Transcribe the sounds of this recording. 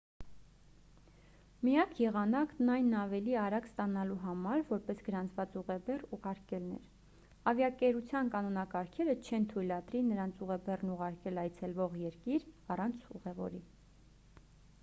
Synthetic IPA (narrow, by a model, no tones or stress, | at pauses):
mijɑkʰjɛʁɑnɑknɑjnːɑvɛliɑɾɑɡst̪ɑnɑluɦɑmɑɾvɔɾpɛsɡəɾɑnt͡sʰvɑt͡suʁɛbɛruʁɑɾkɛlnɛ̰ɾ | ɑvjɑkɛɾut͡sʰjɑnkɑnɔnɑkɑɾkʰɛɾət͡ʃʰɛnt̪ʰujlɑt̪ɾinəɾɑnt͡sʰuʁɛbɛrnuʁɑɾkɛlɑjt͡sʰɛlvɔʁjɛɾkiɾɑrɑnt͡sʰuʁɛvɔ̰ɾi